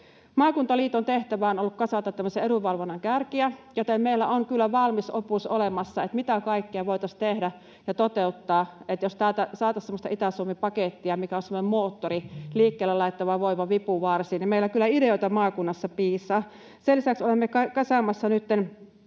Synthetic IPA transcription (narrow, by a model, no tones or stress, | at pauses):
mɑːkunt̪ɑliːt̪ont̪eht̪æʋæonolːukkɑsɑt̪ɑt̪t̪ːæmːøseeɾuʋɑlʋonːɑŋkærkiæjot̪emmeilːæoŋkylːæʋɑlmisopuso̰lemɑsːɑet̪mit̪ækɑikːiɑʋoit̪ɑst̪ehdæ | jɑt̪ot̪eut̪ːɑːet̪jost̪æːt̪æsɑːt̪ɑssemːost̪ɑ̰it̪æsuomːipɑket̪ːiɑmikæonsemːonemmoːt̪ːoriliːkːeːlːelɑit̪ːɑʋɑʋoiʋɑʋipuʋɑrsiːnimeilːˑækylːæideoit̪ɑmɑːkunːɑsːɑpiːsˑɑː | selisæksolemːekɑkɑsɑmɑsːɑnyt̪ːen